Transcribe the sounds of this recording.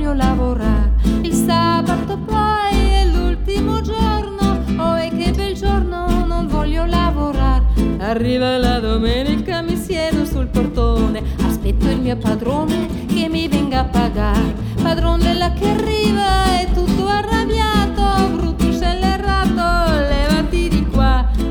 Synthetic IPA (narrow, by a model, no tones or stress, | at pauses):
jolavoɾaɾilsabat̪opajɛlult̪imod͡ʒoɾnooɛkːebeld͡ʒoɾnonoɱvɔlːolavoɾaɾarːiːvalad̪omɛːnikamisjɛd̪osulport̪oneaspɛt̪ːoilmiːopad̪ɾoːne | kemːivɛŋɡaːpːaɡaɾe | pad̪ɾond̪ɛlːakearːiːvaɛt̪ːut̪ːoarːabjaːt̪oɡɾut̪ːut͡ʃɛlːerat̪ːolɛvat̪id̪ikwa